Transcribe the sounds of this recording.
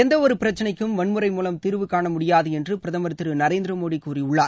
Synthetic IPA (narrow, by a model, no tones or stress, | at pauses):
ɛnd̪ɐɔɾɯpɪɾɐt͡ʃːɐnɐɪkːɯmʋɐɳmɯɾɐɪmuːlɐmt̪ɪɾɯʋɯkaːɳɐmʊɽɪjaːðɯɛndrɯpɪɾɐðɐmɐɾt̪ːɯɾɯnɐɾeːnd̪ɾɐmoːɽikːuːɾiʊɭːaː